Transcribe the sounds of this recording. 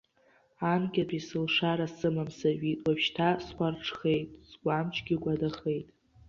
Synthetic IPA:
anɡʲapʰʼisɨlʂaɾasɨmamsaʒitʼwapʃtʰasqʷarʈ͡ʂʰχe̞jtʼsɡʷamt͡ʃʰʼɡʲiɡʷadaχe̞jtʼ

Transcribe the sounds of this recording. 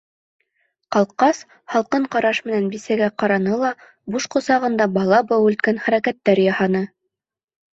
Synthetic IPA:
qɑlˠqɑs | hɑlˠqɤɴqɑɾɑʃmɘ̆nænbisæɡæqɑɾɑnɤlˠɑ | buʃqŏsɑʁɤ̆nd̪ɑbɑlˠɑbɑwʉ̆lt̪̚kænχæɾækæt̪ːæɾjɑhɑnɤ

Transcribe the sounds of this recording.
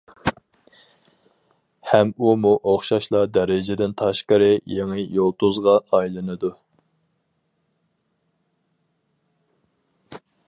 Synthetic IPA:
hɛmumuʔoχʃɑʃlˠɑd̪ɛɾɪd͡ʒɪd̪ɪnt̪ʰɑʃqəɾɪjeŋɪjolˠt̪uzʁɑːjlˠɨnɨd̪u

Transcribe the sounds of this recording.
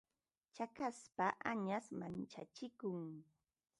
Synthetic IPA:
t͡ʃakaspaʔaɲasmant͡ʃat͡ʃɪkʊŋ

